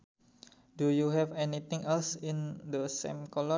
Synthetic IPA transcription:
dujuɦɛvɛnit̪ɪ̃ŋɛlsĩnd̪əsḛ̃mkɔlɔ

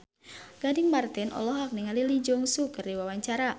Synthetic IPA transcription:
ɡ̥adɪŋmart̪ɛnʔɔ̰lɔɦak̚niŋalilid͡ʒɔŋsukərdiwawaɲt͡ʃaɾa

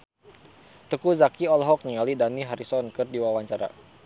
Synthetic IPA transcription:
t̪əkuzakiɔlɦɔk̚niŋalidaniɦaɾisɔnkɨrdiwawaɲt͡ʃaɾa̰

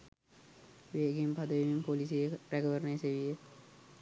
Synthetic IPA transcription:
ʋeɡimpad̪əʋeʋimpolis̬ijeɾæɡəʋəɾneseʋijə

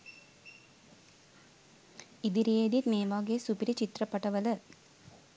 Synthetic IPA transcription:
id̪iɾeːd̪it̪meːʋaːɡeːsupiɾit͡ʃit̪rɐpːɐʈɐʋɐlɐ

